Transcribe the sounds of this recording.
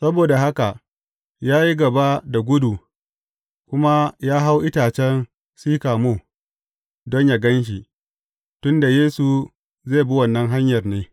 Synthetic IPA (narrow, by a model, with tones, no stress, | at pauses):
sɐ˦boː˨da˨ɦa˦ka˨ʔ | jaː˦ji˦ɡɐ˨ba˦da˨ɡʷʊ˦du˨ | kʷʊ˦ma˦jaː˦ɦa˦wʔɪ˦taː˨t͡ʃɛ˦n | siː˦kaː˨moː˦˨ | dɔ˦ɲja˨ɡɐ˦nʃ̬i˨ | tʊ˦nda˨jeː˦su˨ | zeː˦˨bu˦wɐ˨nːɐ˦ŋɦa˦ɲjɐ˨rneː˦